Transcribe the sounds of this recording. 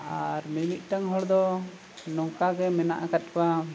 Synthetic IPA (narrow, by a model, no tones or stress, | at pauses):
aɾminit̪̚ˀʈaŋɦɔɽd̪ɔ | nɔŋkaɡɛmɛna̰ʔakat̪̚ˀpa